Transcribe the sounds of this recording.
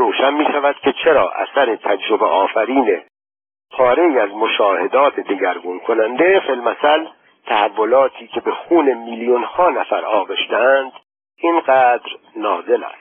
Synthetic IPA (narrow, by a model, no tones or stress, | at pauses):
ɾoːʃænmiːʃævæd̪̥cʰʲe̞t͡ʃʰe̞ɾɒːʔæ̰sæɾe̞t̪ʰæd͡ʒɾobeʔɒːfæɾiːne̞ | pʰɒːɾe̞iːæzmo̞ʃɒːhe̞d̪ɒːt̪ʰed̪eɟæɾɡuːnkʰo̞nænd̪efelmæsæl | t̪ʰæhævːo̞lɒːt̪ʰiːcʰe̞be̞xuːne̞miljunhɒːnæfæɾɒːɣeʃd̪eænd̪̥ | inɢæːd̪ɾnɒːze̞læ̰st̪